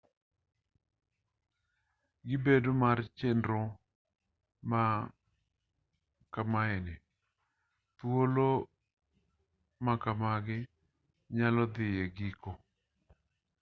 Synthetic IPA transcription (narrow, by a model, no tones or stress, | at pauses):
ɡɪbedomart͡ʃendɾɔ | ma | kamaɛnɛ | t̪wolo | makamaɡɪ | ɲalɔd̪ɪjeɡiko